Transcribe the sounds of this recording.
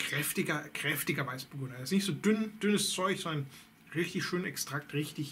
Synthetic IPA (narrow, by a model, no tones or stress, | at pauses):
kʁ̥ɛftɪɡɐkʁ̥ɛftɪɡɐvaɪsb̥əɡʊnaɪsnɪçtz̥oːdʏnd̥ʏnəst͡sɔʏçzɔndɐn | ʁɪçtɪçʃøːnɛkstʁ̥ak̚tʁɪçtɪç